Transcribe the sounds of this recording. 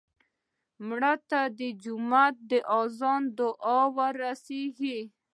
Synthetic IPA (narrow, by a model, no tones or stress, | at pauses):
mɽat̪ad̪əd͡ʒʊmat̪̚d̪əʔazɑnd̪ʊʔɑwaɾaseɡi